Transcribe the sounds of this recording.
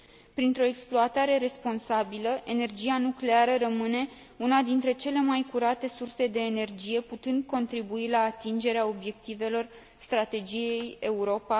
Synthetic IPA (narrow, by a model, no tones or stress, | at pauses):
pɾint̪ɾo̞eksploat̪aɾe̞ɾe̞spo̞nsabiləʔe̞ne̞rd͡ʒijanukle̞aɾəɾəmɨne̞ | unad̪int̪ɾe̞t͡ʃe̞le̞majkuɾat̪e̞surse̞d̪e̞ːne̞rd͡ʒije̞put̪ɨnd̪̚ko̞nt̪ɾibuilaːt̪ind͡ʒe̞ɾeao̞bje̞k̚t̪ive̞lo̞r | st̪ɾat̪e̞d͡ʒije̞je̞uɾo̞pa